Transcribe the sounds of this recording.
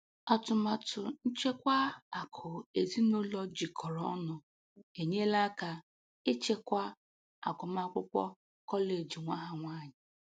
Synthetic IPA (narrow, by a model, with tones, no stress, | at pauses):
a˨tʊ˨ma˨tʊ˨n̩˦t͡ʃe˦kʷa˦a˨kʰʊ˨e˨zi˦no˦lɔ˦d͡ʒi˨kʰɔ˨ɾɔ˦nʊ˨ | e˨ɲe˦la˦ka˨ | ɪ˦t͡ʃe˦kʷa˦ | a̰˨kʊ˨ma˦kʷʊ˦kʷɔ̰˦ | kɔ˦le˨d͡ʒi˨ŋʷa˦ɦa˨ŋʷa˦˨ɲɪ˨